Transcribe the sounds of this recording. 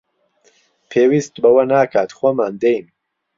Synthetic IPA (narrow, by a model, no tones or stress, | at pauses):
pʰeːwiːst̪bɐwɐnaːkʰaːt̪χoːmaːnd̪ejn